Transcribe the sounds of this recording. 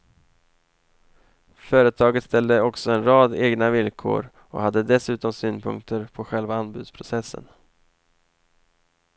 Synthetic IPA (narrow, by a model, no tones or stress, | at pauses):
fœːɾət̪ʰɑːɡət̪st̪ɛld̪əɔksɔɛnɾɑːd̪eːɡnavɪlkʰo̰ːɾ | ɔ̰had̪ːəd̪ɛsʉ̟ːt̪ɔmsyːnpʰɵ̰ŋkt̪ʰəɾpʰɔɧɛlvaanbʉ̟ːd̪spʰɾʊsɛsːə̰n